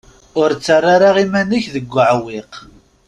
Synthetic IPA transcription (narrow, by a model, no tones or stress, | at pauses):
ʊɾt͡sːarˤːaɾaʁimænəçðəɡʷːəʕwɪq